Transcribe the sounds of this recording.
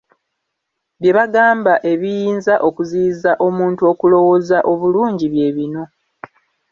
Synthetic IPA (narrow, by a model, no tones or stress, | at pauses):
βje̞βaɡaːmbaʔe̞βijiːnzaʔo̞kuziːzaʔo̞muːntuo̞kulo̞wo̞zaʔo̞βuluːɲɟiβje̞βino̞